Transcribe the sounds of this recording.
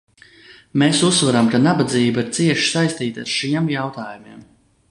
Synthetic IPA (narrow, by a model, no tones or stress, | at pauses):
meːsusːvaɾamkanabad̪ziːbiɾt̪siɛʃi̥sajst̪iːt̪a̰ɾʃiɛmjawt̪aːjumiɛm